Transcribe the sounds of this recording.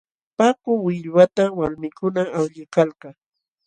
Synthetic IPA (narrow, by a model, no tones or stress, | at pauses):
pakʊwɪʎwat̪awalmɪkʊnaawʎɪkalkɑ